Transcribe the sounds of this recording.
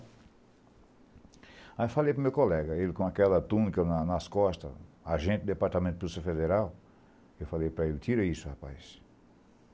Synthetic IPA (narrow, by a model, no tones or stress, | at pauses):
afalejpɾʊmewkolɛɡɐelɪkõakɛlɐt̪ũnikɐnɐnɐskɔst̪ɐ̰ | aʒẽt̪ɪd̪d̪epaɾt̪amẽt̪ʊpɾusɐfed̪eɾaw | ewfalejpɾɐelɪt̪iɾɐisʊhapa̰js